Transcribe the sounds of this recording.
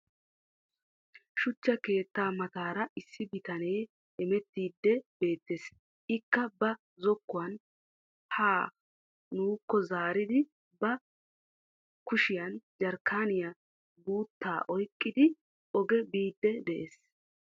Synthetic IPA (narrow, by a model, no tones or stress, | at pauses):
ʃʊt͡ʃːɐke̞ːt̪ːaːmɐt̪aːɾɐʔɪsːɪbɪt̪ɐneː | ɛmɛt̪ːiːd̪ːɛbe̞ːt̪ːeːs | ʔɪkːɐbɐ | zɔkːʊwɐn | haː | nuːkːɔzaːɾɪd̪ɪ | bɐ | kʊʃɪjɐnd͡ʒɐɾkʰːaːnɪjɐ | buːt̪ːa̰ːʔɔjkʼːɪd̪ɪ | ʔɔɡɛbiːd̪ːɛd̪ɛʔeːs